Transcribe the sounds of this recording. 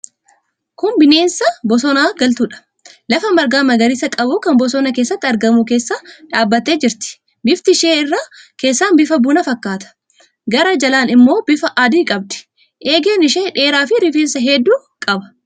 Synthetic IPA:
kʊmbɪneːnsɐbɔsɔnaːɡɐlt̪uːᶑɐ̥ | lɐfɐmɐɾɡaːmɐɡɐɾɪsɐkʼɐbukɐnbɔsɔnɐke̞ːsːɐt̪ːɪɐɾɡɐmuke̞ːsːaːᶑaːbːɐt̪ːe̞ːd͡ʒɪɾt̪ɪ̥ | bɪft̪ɪʃeːɪrːaːke̞ːsːaːnbɪfɐbuːnɐfɐkːaːt̪ɐ̥ | ɡɐɾɐd͡ʒɐlaːnɪmːo̞ːbɪfɐʔaːd̪iːkʼɐb̚d̪ɪ̥ | ʔeːɡeːnɪʃeːᶑe̞ːɾaːfɪɾɪfeːnsɐɦɛd̪ːuː | kʼɐbɐ̥

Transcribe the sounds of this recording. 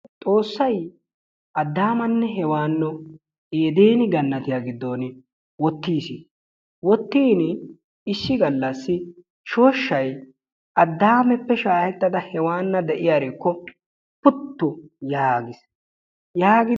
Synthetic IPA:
t̪ʼo̞ːsːɐj | ʔɐd̪ːaːmɐnːɛɦɛwaːnːɔ | eːd̪eːnɪɡɐnːɐt̪ɪjaɡɪd̪ːo̞ːnɪ | wɔt̪ːiːsi | wɔt̪ːiːn | ɪsːɪɡɐlːɐsːɪ | ʃo̞ːʃːɐj | ɐd̪ːaːmɛpːɛʃaːhɛt̪ːɐd̪ɐhɛwaːnːɐd̪ɛʔɪjaːɾekːɔ | pʊt̪ːʊjaːɡɪs | jaːɡɪ

